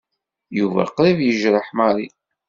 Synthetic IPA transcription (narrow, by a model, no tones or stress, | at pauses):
juvæ̰qɾˤivjəʒɾəħmaɾˤi